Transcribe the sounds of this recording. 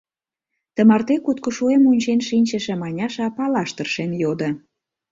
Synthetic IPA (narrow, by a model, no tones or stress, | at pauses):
t̪ə̆mɑrt̪ekut̪̚koʃuemunʲt͡ɕenʃinʲt͡ɕə̆ʃĕmɑnʲɑʃɑpɑlɑʃt̪ərʃenjod̪ə̆